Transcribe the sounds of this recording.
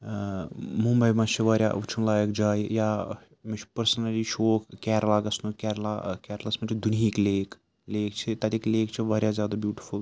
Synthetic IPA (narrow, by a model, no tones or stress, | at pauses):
mũmbɐjmɐt͡ʃʰiʋaːɾja̰ʔut͡ʃʰunlaːjəkd͡ʒaːjjaː | mit͡ʃʰpɐɾsɐnɐliʃoːkkʲɛːɾlaːɡɐsnukʲɛːɾlaːkʲɛːɾlɐsmɐt͡ʃʰid̪unɦiːkleːk | leːkt͡ʃʰit̪ɐt̪ikleːkt͡ʃʰiʋaːɾʲjaːzʲjaːd̪aːbjuːʈi̥fʰul